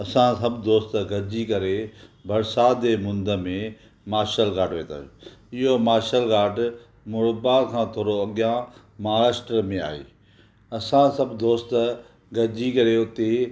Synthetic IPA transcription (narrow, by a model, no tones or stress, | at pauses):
ɐsãsɐbd̪oːst̪ɡɐɾd͡ʑikɐɾebʱɐɾsaːd̪emʊ̃nd̪əmẽ | maːɾʃəlɡaːɖʋeːt̪a̰ːʊɪɦomaːɾʃəlɡaːɖ | mʊɽbaːɾkʰãːt̪ʰoːɾoɐɠjã | maːɭaːsʈəɾmẽa̰ːḛː | ɐsãsɐbd̪oːst̪ | ɡɐd͡ʑikɐɾeʊt̪e